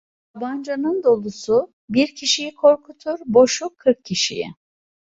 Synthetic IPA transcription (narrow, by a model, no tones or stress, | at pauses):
aband͡ʒanɯnd̪o̞lˠusu | biɾcʰiʃijikʰo̞ɾkʰut̪ʰuɾbo̞ʃukʰːɯɾkʰcʰːiʃḭjɪ̰